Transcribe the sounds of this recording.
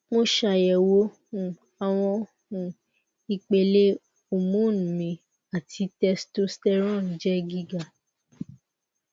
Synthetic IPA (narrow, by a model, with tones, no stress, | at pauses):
mõ˦ʃa˨jɛ˨wo˦ | ũ˨ | a˨w̃ɔ̃˧ | hũ˧ | i˧k͡pe˧le˦ | o˨mũ˨˦nũ˨mĩ˨˦ | a˨tʰi˧tɛ˧sto˦stɛ˦ɾ̃ɔ̃˦˨n̩˨˦d͡ʒɛ˦ɡi˦ɡa˨